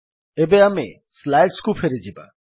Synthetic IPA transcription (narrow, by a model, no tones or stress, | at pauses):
ebeame | slajʈskufʰeɾed͡ʑʰiba̰